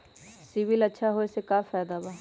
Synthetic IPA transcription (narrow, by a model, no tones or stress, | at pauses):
siʋɪlɐtːʃʰaɦoesekaːfɛːjd̪abaː